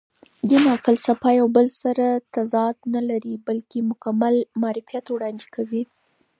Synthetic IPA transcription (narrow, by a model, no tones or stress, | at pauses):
d̪ənɑqɪlsapɑjawbəlsaɾat̪azɑt̪nalaɾibalkemʊkamalmɑːɾɪfijat̪wɽɑnd̪ekʰawi